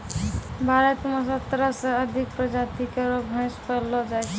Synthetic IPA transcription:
bʱaɾət̪məsət̪ɾəseəd̪ʱikpɾəd͡ʒat̪ikeɾobʱə̃spəlɔd͡ʒajt͡ʃʰ

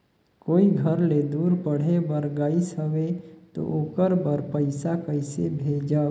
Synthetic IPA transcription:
koːiɡʱəɾled̪uːɾpəɽ̤ebəɾɡaːisɦəʋet̪o̰ʔoːkəɾbəɾpəɪsakəɪsebʱeːd͡ʒa

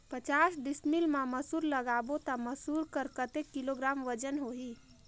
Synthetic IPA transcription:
pət͡ʃaːsɖɪsmilmãməsuːɾləɡaːbot̪aməsuːɾkəɾkət̪ekːɪloɡɾaːmʋəd͡ʒənɦoɦiː

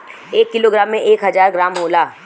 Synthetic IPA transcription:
eːkːɪloːɡɾaːmːẽʔeːkɦɐzaːɾɡɾaːmɦoːlaː

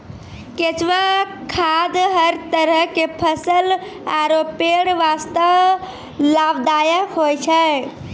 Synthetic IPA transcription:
ket͡ʃʋə | kʰad̪ɦəɾt̪əɾəɦkepʰəsəl | aɾopeɽʋast̪əʋ | labd̪ajəkɦojt͡ʃʰə

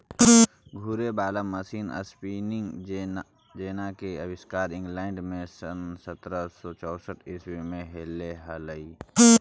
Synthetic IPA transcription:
ɡʱuɾebaːlaməsiːnə̰spiːnɪŋɡ | d͡ʒeːnakeəwɪskaːɾɪ̃ŋɡlɛːɳɖmẽsənsət̪ɾəsɔt͡ʃɔːsəʈʰeswimẽɦeːleɦələi

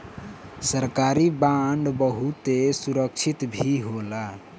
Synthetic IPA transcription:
səɾkaɾibaɳɖbəɦut̪esuɾəkt͡ʃʰit̪bʱiɦola

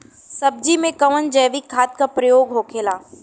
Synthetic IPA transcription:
sɐb̚d͡ʒimẽkɐʋənd͡ʒɛːʋikʰːaːt̪̚kapɾɐjoːɡɦoːkʰeːlaː

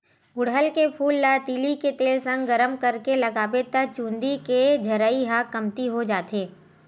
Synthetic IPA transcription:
ɡʊɽɦəlkepʰuːlːat̪iːliket̪eːlsə̃ŋɡɡɐɾəmkɐɾkelɐɡaːbet̪at͡ʃũːnd̪iked͡ʒʱɐɾaːiɦakɐmt̪iɦod͡ʒaːt̪eː

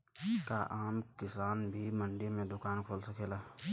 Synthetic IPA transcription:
kaʔaːmkɪsaːnbʱimə̃ɳɖimẽd̪ʊkaːnkʰoːlsɐkeːlaː

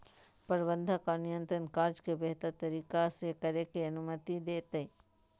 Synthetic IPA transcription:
pɐɾbənd̪ʱakanɪjə̃nt̪ɾənkaːɾd͡ʒkebeɦt̪əɾt̪ɐɾiːkasekɐɾekiɐnumət̪id̪eːt̪ɐi

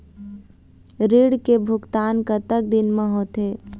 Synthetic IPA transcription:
ɾiːɽkebʱʊɡt̪aːnkət̪ək̚d̪ɪnmẽɦoːt̪eː

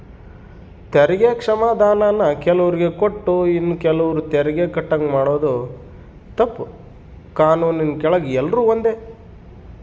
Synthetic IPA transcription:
t̪ɛɾɐɡeːkʂɐmaːd̪ʱaːnaːnɐkɛlɐʋɐɾiɡe̞koʈːuinːukɛlɐʋɐɾut̪ɛɾɐɡeːkɐʈːɐŋɡmaːɽoːd̪u | t̪ɐpːu | kaːnuːninkɛɭɐɡɛlːɐɾuːʋond̪e

